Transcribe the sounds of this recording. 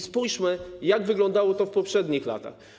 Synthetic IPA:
spujʂmɘjaɡvɘɡlɔnd̪awɔt̪ɔfpɔpʂɛd̪ɲixla̰t̪a̰x

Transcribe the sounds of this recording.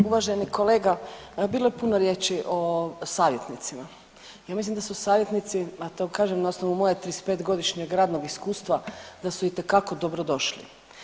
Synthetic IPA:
uʋaʒenikoleːɡabiːlˠojepunoɾjeːt͡ʃiʔo̞saːʋje̞t̪nit̪sima | jaːmislimd̪asusaːʋje̞t̪nit̪siat̪oɡkaːʒemnaosnoʋumojet̪ɾispeːt̪ɡo̞d̪iʃɲeɡɾaːd̪noɡiskuːst̪ʋad̪asuit̪ekako̞d̪o̞bɾod̪o̞ʃlḭ

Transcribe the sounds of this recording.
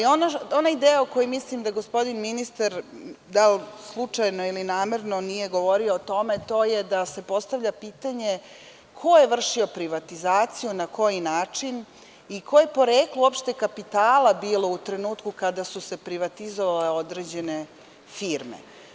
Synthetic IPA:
ionao̞naid̪eːjaoko̞jumislimd̪aɡospo̞d̪inminist̪aɾd̪alslˠut͡ʂajnoilinaːmeɾno̞nije̞ɡo̞ʋo̞ɾioːt̪o̞me̞t̪o̞jed̪ase̞po̞st̪aʋʎapiːt̪aɲe̞ | kʰo̞jeʋr̩ʃio̞pɾiʋat̪izaːt̪sijunako̞jinaːt͡ʂin | ikʰoje̞po̞ɾeːklˠuopʃt̪ekapit̪aːlˠabiːlˠo̞ut̪ɾe̞nuːt̪kukad̪asuse̞pɾiʋat̪izoʋale̞o̞d̪ɾeːd͡ʑe̞ne | fiːɾmḛ

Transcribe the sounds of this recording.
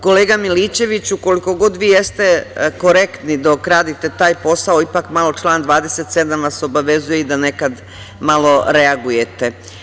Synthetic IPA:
ko̞le̞ːɡamiliːt͡ɕe̞ʋit͡ɕuko̞liko̞ɡo̞d̪ʋiːje̞st̪e̞ko̞ɾe̞kt̪nid̪okɾaːd̪it̪e̞t̪aːjpo̞saoipakmalo̞t͡ʃlˠaːnd̪ʋaːd̪e̞se̞t̪se̞d̪amʋaso̞baʋe̞zujeid̪ane̞kad̪ | malo̞ɾe̞aɡuje̞t̪e̞

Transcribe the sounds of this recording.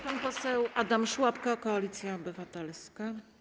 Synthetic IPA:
panpɔsɛwʔad̪amʂwapkakɔalʲit̪sʲjaɔbɘvat̪ɛlska

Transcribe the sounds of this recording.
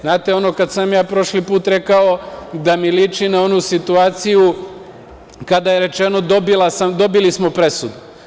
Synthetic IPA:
znaːt̪e̞o̞no̞kad̪samjaːpɾo̞ʃlipuːt̪ɾe̞kao̞d̪amilit͡ʃinao̞nusit̪uaːt̪siju | kad̪aje̞ɾe̞t͡ʃeno̞d̪o̞bilˠasamd̪o̞bilismo̞pɾe̞sud̪u

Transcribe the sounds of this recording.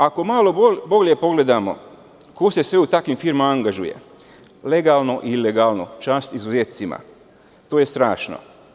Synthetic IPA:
ako̞maːlobobo̞lʲje̞po̞ɡle̞d̪amo̞̰ | kose̞sʋeut̪akʋimfiɾmamaaŋɡaʒujḛ | le̞ɡaːlˠno̞ʔilːeɡaːlno̰t͡ʃaːst̪izuzeːt̪̚sima̰ | t̪oːje̞st̪ɾaːʃno̰

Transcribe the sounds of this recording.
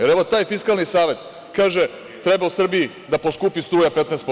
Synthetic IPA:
jeɾeʋot̪aːjfiskalnisaːʋe̞t̪ | kaːʒe | t̪ɾe̞bausr̩biji | d̪aposkuːpist̪ɾuːjape̞t̪nɛːst̪po

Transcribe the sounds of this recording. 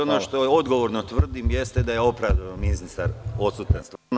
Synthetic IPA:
onoʃt̪o̞o̞d̪ɡo̞ʋoɾnot̪ʋr̩d̪imje̞st̪ed̪ajeo̞pɾaʋd̪aomiznist̪aɾo̞t̪sut̪anst̪n

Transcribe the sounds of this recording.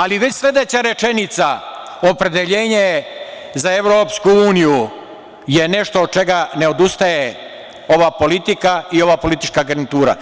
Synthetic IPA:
aliʋe̞t͡ɕslʲe̞d̪e̞t͡ɕaɾe̞t͡ʃe̞nit̪sa | o̞pɾed̪eʎeːɲe | zaeʋɾoːpskuuːniju | je̞ne̞ʃt̪oːd̪̚t͡ʃe̞ɡane̞o̞d̪ust̪aje | o̞ʋapo̞lit̪ikaio̞ʋaːpo̞lit̪it͡ʃkaɡɾnit̪uːɾa̰

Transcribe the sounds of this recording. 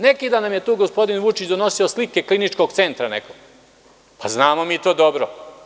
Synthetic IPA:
nekid̪anamje̞t̪uːɡospo̞d̪inʋut͡ʃit͡ɕd̪ono̞sioslike̞klˠinit͡ʃkoɡt̪se̞nt̪ɾanekoɡ | paznaːmo̞miːt̪o̞ːd̪o̞bɾo

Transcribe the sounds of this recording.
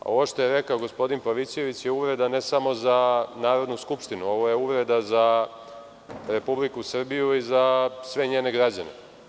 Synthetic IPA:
a̰o̞̰ʋo̞ʃt̪o̞je̞ɾekaoɡo̞spo̞d̪inpaʋisije̞ʋit͡ɕjeuʋɾe̞d̪ane̞samo̞zanaːɾo̞d̪nuskupʃt̪inuo̞ʋo̞je̞uʋɾe̞d̪aza | ɾe̞publikusr̩bijuizasʋe̞ɲeːneɡɾad͡ʑanḛ

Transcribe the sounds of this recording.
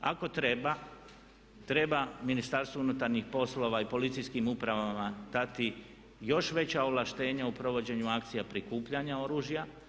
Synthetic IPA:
a̰ko̞t̪ɾe̞ba | t̪ɾe̞baminist̪aɾst̪ounut̪aɾɲixpo̞slo̞ʋaipo̞lit̪sijskimupɾaʋamad̪̥at̪i | jo̞ʃʋe̞t͡ɕaoʋlˠaʃt̪e̞ːɲaupɾo̞ʋo̞d͡ʑe̞ɲuakt̪sijapɾikuːpʎaɲao̞ɾuːʒja

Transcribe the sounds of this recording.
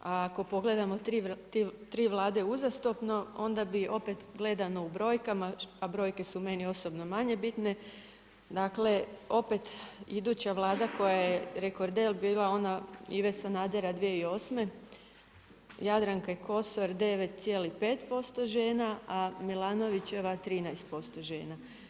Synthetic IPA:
aːko̞po̞ɡle̞d̪amot̪ɾit̪it̪ɾiːʋlˠaːd̪e̞uzast̪opno̞o̞nd̪abiʔo̞pe̞t̪ɡle̞d̪ano̞ubɾo̞ːjkamaabɾo̞jke̞sume̞nio̞sobno̞maɲe̞bit̪ne̞ | d̪aːkle̞o̞pe̞t̪id̪uːt͡ɕaʋlˠaːd̪ako̞jajeɾeko̞ɾd̪elbiːlˠao̞naḭʋesanaːd̪eɾad̪ʋieio̞ːsme̞ | jad̪ɾaŋkajeko̞so̞ɾd̪e̞ʋe̞t̪̚t̪sjelipe̞ːt̪po̞st̪o̞ʒe̞ːnaamilˠaːno̞ʋit͡ɕe̞ʋat̪ɾiːnajst̪̚po̞st̪o̞ʒeːna

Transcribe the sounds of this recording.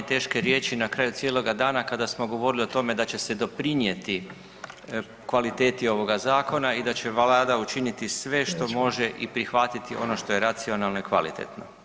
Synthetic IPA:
t̪e̞ːʃke̞ɾje̞ːt͡ɕinakɾaːjut̪sjeːlo̞ɡad̪aːnakad̪asmo̞ɡo̞ʋo̞ɾilio̞t̪o̞me̞d̪at͡ɕe̞se̞d̪o̞pɾinje̞t̪i | kʋalit̪e̞ːt̪io̞ʋo̞ɡazaːko̞naid̪at͡ɕe̞ʋalad̪aut͡ʃinit̪isʋe̞ʃt̪o̞mo̞ʒe̞ʔipɾixʋat̪it̪iʔo̞̰no̞ʃt̪o̞je̞ɾat̪sio̞nalˠno̞ikʋalḭt̪ḛt̪no̞̰

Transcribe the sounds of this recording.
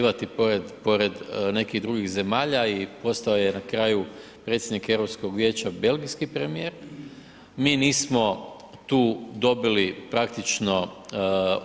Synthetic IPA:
ʋat̪ipo̞ɾed̪po̞ɾe̞d̪ne̞kiɣd̪ɾuɡiɣze̞maːʎaipo̞st̪aojenakɾaːjupɾet̪sʲjed̪nikeʋɾopsko̞ɡʋʲje̞ːt͡ɕabe̞lɡiskipɾemije̞ːɾ | miːniːsmo̞ | t̪uːd̪o̞bilipɾakt̪it͡ʃno̞

